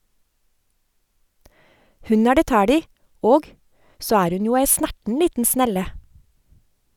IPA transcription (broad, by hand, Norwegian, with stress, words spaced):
ˈhʉn ˈæː ˈɖeː ˈtæːɽ ˈiː ˈoːɡ ˈsoː ˈæːɾ ˈʉn ˈjuː ˈæɪ ˈsnæʈn̩ ˈliːtn̩ ˈsnɛlə